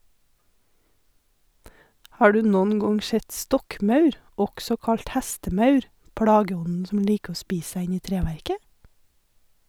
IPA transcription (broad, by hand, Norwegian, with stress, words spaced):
ˈhɑː ˈɖʉː ˈnɔn ˈɡɔŋ ˈʃɛt ˈstɔkˌmɑʉɾ ˈɔksɔ ˈkɑɭt ˈhɛstəˌmɑʉɾ ˈpɽɑːɡəˌɔnn̩ ˈsɔm ˈliːk ˈoː ˈspiːs ˈsæ ˈɪn ˈiː ˈtɾeːʋæɾkə